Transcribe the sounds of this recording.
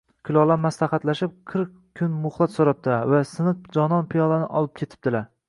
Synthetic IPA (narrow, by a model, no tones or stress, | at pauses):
kʲʰʊlˠɒlˠaɾmaslˠaχat̪laʃɪp̚qʰɨɾq̚ | kʲʰːʊnmʊχlˠat̪soɾap̚t̪ʰɪlaɾvasɨnɨq̚d͡ʒɒnɒnpʰijɒlˠanɪʔɒlˠɪp̚kʲʰe̞t̪ʰɪ̥p̚d̪ɪlaɾ